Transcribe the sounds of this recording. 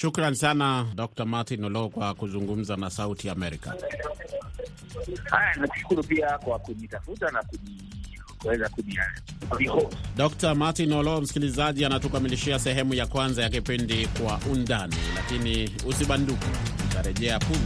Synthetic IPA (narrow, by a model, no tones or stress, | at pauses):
ʃukɾanisanaɗɔk̚tamatinɔlɔkwakuzuŋɡum̩zanasautijaːmɛɾika̰ | ha̰janaku̥ʃu̥kuɾupiakwakunitafutanakuni | kuwɛzakuniaikɔɗɔktamatinɔlɔm̩si̥kilizaʄianatukamiliʃiasɛɦɛmujakwanzajakipindikwaʔundanilakini | usiɓandukɛutaɾɛʄɛapu